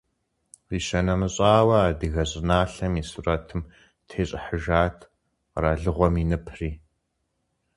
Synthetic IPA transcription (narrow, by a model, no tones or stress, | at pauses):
riːʃɐnɐmɨɕʼaːwɐaːdɨɣɐɕʼɪnaːɬɐmiːsurɐtʰɨm | tʰeːɕʼɪħəʒaːtʰ | raːɮɨʁʷɔminɨpʰriː